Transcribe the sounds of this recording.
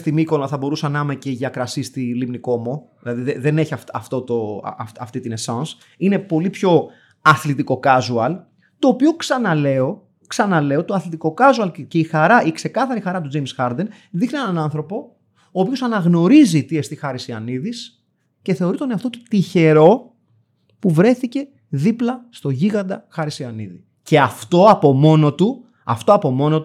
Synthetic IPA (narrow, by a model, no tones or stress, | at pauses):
st̪imiko̞lɐθɐbo̞ɾusɐnɐmeceʝɐkɾɐsist̪ilimniko̞mo | ilɐðiðeðe̞ne̞çiɐfɐ̰ft̪o̞t̪o̞̰ɐ̰ɐft̪it̪ine̞sɐns | ine̞po̞lipço̞ | ɐθlit̪iko̞kɐzuɐl | t̪o̞ːpio̞ksɐnɐle̞o | ksɐnɐle̞o̞t̪o̞ɐθlit̪iko̞kɐzuɐlce̞ixɐɾɐʔikse̞kɐθɐɾixɐɾɐt̪̬ud͡zejmsxɐɾd̪en | ðixnie̞nɐnɐnθɾo̞po̞ | oːpio̞sɐnɐɣno̞ɾizit̪iest̪ixɐɾisiɐ̰niðis | ceθe̞o̞ɾit̪oneɐft̪o̞t̪ut̪içe̞ɾo̞ | puvɾe̞θice̞ | ðiplɐst̪o̞ʝiɣɐnd̪ɐxɐɾisiɐnḭðḭ | ce̞ɐft̪o̞ɐpo̞mo̞not̪u | ɐ̰ft̪oɐpo̞mo̞no̞t̪u